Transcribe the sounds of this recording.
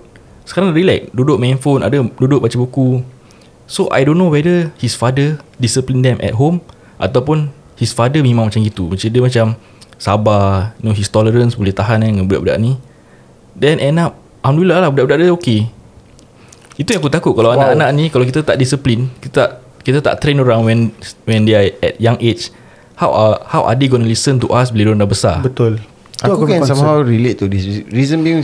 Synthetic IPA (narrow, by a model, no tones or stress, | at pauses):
sə̥kaɾaŋɾilɛk̚dudʊʔ̚mɛ̃nfona̰dədudʊʔ̚bat͡ʃabuku | soʔa̰jdõnːowɛdəhisfadədisəplindɛmʔɛ̰t̚ɦom | ʔa̰t̪awpun | hisfadəmẽmãŋmat͡ʃamɡit̪umət͡ʃədəmat͡ʃam | sabanoɦist̪ɔləɾənsbulɛht̪aɦanãŋãnbuda̰ʔbuda̰ʔni | dɛnʔɛnap̚ | ʔamlulalahbudaʔbudaʔdaoke | it̪ujaŋakut̪akʊʔ̚kalawanaʔkanãʔnĩkalawkit̪at̪aʔdisəplinkit̪aʔ | kit̪at̪a̰ʔt̪ɾenoɾãnwɛnwɛndeaɛ̰t̪̚jãŋet͡ʃ | hawʔahawʔa̰deɡɔnəlisənt̪uʔasbiledɔndabəsa̰bət̪ʊl | akukansamahawɹilet̪̚t̪ːudisɹizə̃mbiŋ